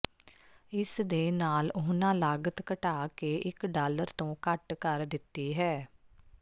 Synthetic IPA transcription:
ɪsd̪eːnaːlʊɦnãːlaːɡət̪kəʈaːkeːʔɪkɖaːləɾt̪õːkəʈkəɾd̪ɪt̪ːiːɦɛː

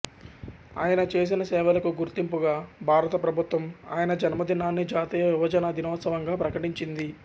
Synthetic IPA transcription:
a̰ːjɐnɐt͡ʃe̞ːs̬inɐsɛːʋɐlɐkuɡuɾt̪impuɡaːbʱaːɾɐt̪ɐpɾɐbʱut̪ʋɐma̰ːjɐnɐd͡ʒɐnmɐd̪inːaːnːid͡ʒaːt̪iːjɐʋibɐd͡ʒɐnɐd̪ʱinɔːt̪sɐʋɐŋɡaːpɾɐkɐʈiɲt͡ʃind̪i

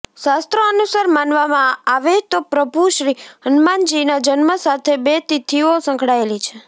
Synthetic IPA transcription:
ʃast̪ɾoənusəɾmanʋamãaʋet̪opɾəbʱuʃɾiɦənmand͡ʒinad͡ʒənməsat̪ʰebet̪it̪ʰiosə̃ŋkʰɽaelit͡ʃʰe

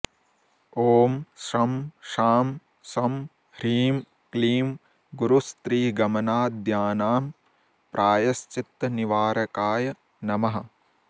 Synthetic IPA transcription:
oːmʃɐmʃaːm | sɐm | ɾiːm | kliːm | ɡuɾust̪ɾiːɡɐmɐnaːd̪ʱjaːnaːm | pɾʔaːjɐst͡ʃit̪ːɐniʋaːɾɐkaːjɐ | nɐmɐɦɐ

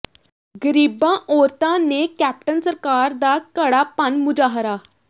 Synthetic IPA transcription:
ɡəɾiːbãːʔoːɾt̪ãːneːkɛːp̚ʈənsəɾkaːɾd̪aːkəɽaːpənmʊd͡ʒaːɦɾaː

